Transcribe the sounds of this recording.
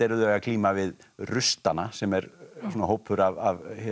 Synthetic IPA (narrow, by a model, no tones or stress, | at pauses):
ɛɾðʏɛɣakʰliːmavɪðrʏst̪anasɛmɛɾsuːnaɦoːwpʰːʏɾavavhɛ